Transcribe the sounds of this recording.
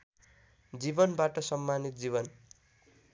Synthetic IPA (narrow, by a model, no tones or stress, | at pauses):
d͡zibʌnbaʈʌsʌmːanit̪̚d͡ziβʌn